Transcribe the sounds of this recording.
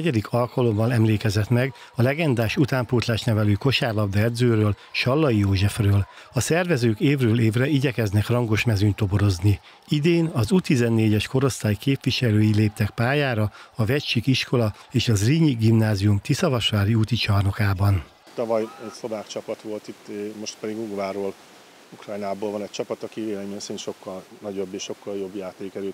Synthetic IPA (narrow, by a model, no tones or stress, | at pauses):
nɛɟɛd̪ikʰɒlkɒlo̞mbɒnɛmleːkɛzɛt̪mɛɡ | ɒlɛɡɛnd̪aːʃut̪aːmpuːt̪laːʃnɛvɛlyːko̞ʃaːrlɒb̚d̪ɛɛd̪zøːɾøːl | ʃɒlːɒjijoːʒɛfrøːl | ɒsɛrvɛzøːkeːvrøːleːvrɛiɟɛkɛznɛkrɒŋɡo̞ʃmɛzyɲt̪o̞bo̞ɾo̞zni | id̪eːnɒzuːt̪izɛnːeːɟɛʃko̞ɾo̞st̪aːjkeːpʋiʃɛløːjileːp̚t̪ɛkpaːjaːɾɒɒvɛcʃikiʃko̞lɒeːʃɒzriːɲiɡimnaːzijumt̪isɒvɒʃʋaːɾiuːt̪it͡ʃɒrno̞kaːbɒn | t̪ɒvɒjɛcso̞baːkt͡ʃɒpɒt̪ʋo̞lt̪it̪ːmo̞ʃt̪pɛd̪iɡuɡvaːɾoːl | ukrɒjnaːboːlvɒnɛc̚t͡ʃɒpɒt̪ɒkiveːlɛmensinʃo̞kːɒlnɒɟo̞bːeːʃʃo̞kːɒljo̞bjaːt̪eːkɛɾøt̪